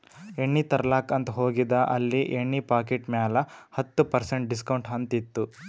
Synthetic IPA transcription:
eɳːit̪ɐɾɐlaːkɐnt̪ɐɦoːɡid̪ɐʔɐlːiʔeɳːipaːɾkeʈmjaːlɐhɐt̪ːupɐɾseɳʈ̚ɖiskɐwɳʈɦɐnt̪it̪ːu

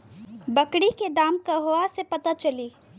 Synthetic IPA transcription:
bəkɽiked̪aːmkaɦoasepɐt̪at͡ʃɐliː

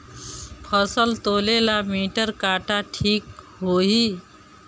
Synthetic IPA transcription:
pʰəsəlt̪olelamiʈəɾkaʈaʈʰik | ɦoɦi

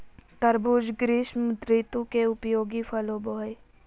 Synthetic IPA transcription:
k̪ɐɾbuːd͡ʒɡɾiːʃmd̪ɾiːt̪ũkeʊpjoːɡifʰɐloːboːj

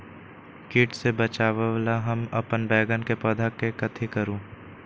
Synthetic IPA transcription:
kɪʈsebət͡ʃaːʋəʋlaɦəmɐpənbɛːɡənkepɐd̪ʱakːekɐt̪ʰikəɾũː

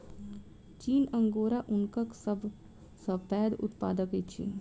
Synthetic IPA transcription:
t͡ʃiːnə̃ŋɡoːɾaʔʊnkəksəb | səbpɛːd̪ʊ̰t̪pa̰ːd̪əkit͡ʃʰḭn

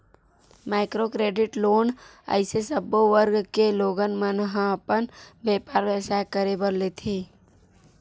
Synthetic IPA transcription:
maːɪkɾokɾeːɖɪʈloːn | ə̰ɪsesəboʋəɾɡkeloːɡənmənəɦə̃əpənbeːpaːɾʋesakəɾebəɾlet̪ʰeː

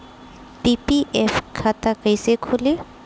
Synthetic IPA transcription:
pipiʔefkʰat̪akəjsekʰoli

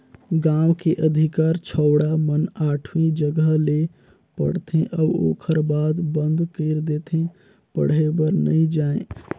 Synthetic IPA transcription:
ɡãwkeʔəd̪ʱikaɾt͡ʃʰəʊɽamənaʈʰwĩd͡ʒəɡəɦle | pə̰ɽt̪ʰẽʔawo̰kʰəɾbad̪bənd̪ʱkəɪɾd̪et̪ʰẽ | pə̰ɽ̤ebəɾnəid͡ʒaẽ

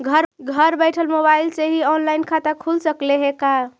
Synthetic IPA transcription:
ɡʱəɾɡʱəɾbəjʈʰəlmobailseɦiɔnlaɪnkʰat̪akʰulsəkleɦeka

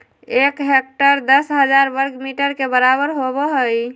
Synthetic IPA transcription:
ekɦek̚ʈəɾd̪əsɦəd͡ʒaɾbəɾɡmiʈəɾkebəɾabəɾɦobɔɦəj

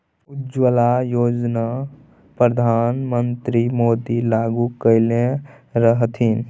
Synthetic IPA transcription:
ʊd͡ʒwəlajoːd͡ʒna | pɾəd̪ʱaːnmənt̪ɾimoːd̪ilaːɡukəɪlẽ | ɾəɦt̪ʰin

